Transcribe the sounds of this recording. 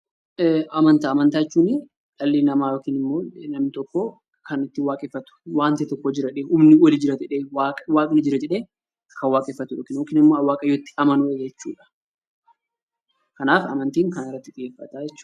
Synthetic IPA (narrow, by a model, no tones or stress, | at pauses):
ʔɐmɐnt̪aːmɐnt̪aːɛt͡ʃːuːnɪ | ᶑɐlːiːnɐmaːjoːkiːnɪmːoːnɐmnɪt̪ɔkːɔ | kɐnɪt̪ːɪwaːkʼɪfːɐt̪ʊ̥waːnt̪ɛt̪ɔkːɔd͡ʒɪɾɐᶑeːhʊmnɪwɐlid͡ʒɪɾɐd͡ʒɛᶑeːwaːkʼwaːkʼɪnɪd͡ʒɪɾɐd͡ʒɛᶑeː | kʰɐnwaːkʼɪfːɐt̪ʊjoːkinjoːkiːnɪmːo̞ːɐwːaːkʼɐjot̪ːɪ̥ɐmɐnʊejɛt͡ʃːṵːᶑɐ̥ | kɐnaːfɐ̰mɐnt̪iːŋkɐnɪrːɐt̪ːɪᶑɪjeːfːɐt̪aːd͡ʒɛt͡ʃːu̥ː